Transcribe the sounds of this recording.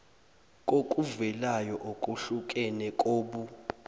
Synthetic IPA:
kʼokʼuvɛlajɔʔokʼuɬukʼɛnɛkʼoːɓu

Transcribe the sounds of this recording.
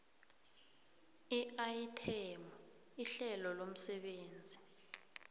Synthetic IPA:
iaitʰɛmɔ | iɬɛlɔlom̩sɛɓeːnd͡zʱi

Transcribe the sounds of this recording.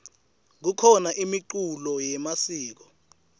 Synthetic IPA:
k̬ukʰɔnaʔimiǃulɔjɛmasiːk̬ɔ

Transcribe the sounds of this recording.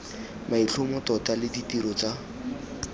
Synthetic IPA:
maiɬʰʊmʊtɔtalɪditiɾɔt͡sa

